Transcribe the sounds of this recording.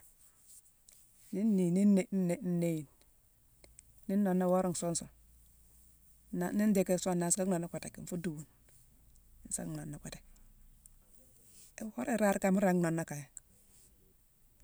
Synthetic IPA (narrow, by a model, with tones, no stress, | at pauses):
ni˦nːi˨ni˦ne˨˦ne˨n̩˦ne˦ji˨n | ni˦nːo˨nːa˦wo˦ɾi˦ŋ˨so˦nso˨ | a˨ni˦n˦de˨ke˦sʷo˦˨na˨˦ska˦o˨nːa˦kʷa˨te˨ki˨n˦fu˦du˨wu˨n | i˨n˦sa̰˦˨o˨nːa˨kʷa˨te̥˨ | wo˦ɾi˦ɾa˦ɾka˨mu˦ɾa˨˦no˨nːa˦ka˨ja˨